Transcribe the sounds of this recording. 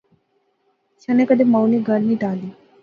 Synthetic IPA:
ʃənekəd̪eməwniɡəlniʈali

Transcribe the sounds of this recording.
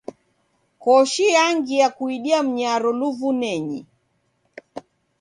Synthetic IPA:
kɔʃijaŋɡijakuiɗiam̩ɲaɾɔluvunɛɲi

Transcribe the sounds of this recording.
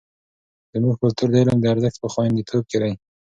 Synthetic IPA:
z̥əmuɡkʊlt̪uɾd̪elond̪əaɾzaxt̪̚pəxwand̪it̪ʰob̚keɾaj

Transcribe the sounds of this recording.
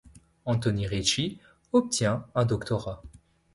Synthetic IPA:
ɑ̃t̪ɔniʁet͡ʃi | ɔp̚t̪jɛ̃ɛ̃d̪ɔkt̪ɔʁa

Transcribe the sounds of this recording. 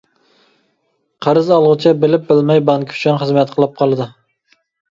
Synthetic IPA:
qʰæɾɨzɑlˠʁʊt͡ʃʰɛbɪlɪp̚bɪlmɛjbɑŋkʰʲy̥t͡ʃʰynχəzmɛt̪qʰəlˠɨp̚qʰɑlˠɨd̪ɨ

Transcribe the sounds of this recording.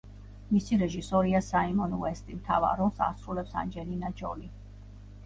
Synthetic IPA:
misiɾɛʒisɔɾiasaimɔnuɛst̪ʼimt̪ʰa̰va̰ɾɔsa̰ɾsɾulɛpsa̰nd͡ʒɛlinad͡ʒɔ̰li

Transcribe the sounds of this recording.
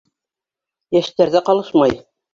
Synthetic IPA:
jæʃt̪æɾðæqɑlˠɤʃmɑj

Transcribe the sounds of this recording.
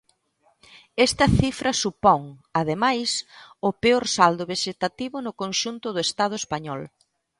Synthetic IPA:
ɛst̪ɐθifɾɐsupɔŋɐð̞emajsʊpeoɾsald̪ʊβeʃet̪at̪iβʊnʊkonʃunt̪ʊð̞ʊest̪að̞ʊespaɲɔl

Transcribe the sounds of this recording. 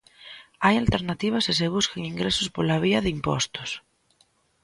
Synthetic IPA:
ajalt̪eɾnat̪iβ̞asɪs̬eβ̞uskeŋiŋɡɾesospolaβ̞iaðimpɔ̰st̪ʊ̥s

